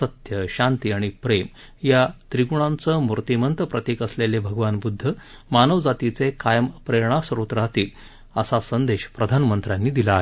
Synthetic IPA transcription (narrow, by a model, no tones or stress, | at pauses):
sət̪jəɕant̪iaɽ̃ipɾem | jat̪ɾiɡuɳ̃ant͡səmuɾt̪imənt̪əpɾət̪ekəslelebʱəɡʋanbud̪ʱːə | manəʋd͡zat̪it͡sekajəmpɾeɾɳ̃asɾot̪ɾat̪iːl | əsasənd̪eɕpɾəd̪ʱanmənt̪ɾjanːiːd̪ilaːɦe